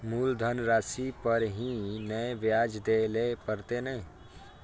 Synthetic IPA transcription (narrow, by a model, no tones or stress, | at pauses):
muːld̪ʱənɾaːsipɐɾɦĩnəeʋjaːd͡ʒd̪eːlepəɾt̪enɐɦĩ